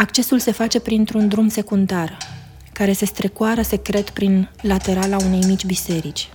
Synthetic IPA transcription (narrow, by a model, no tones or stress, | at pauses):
akt͡ʃe̞sulse̞fat͡ʃe̞pɾint̪ɾund̪ɾumse̞kund̪ar | kaɾe̞se̞st̪ɾe̞koaɾəse̞kɾe̞t̪pɾinlat̪e̞ɾalaune̞jmit͡ʃʲbise̞ɾit͡ʃʲ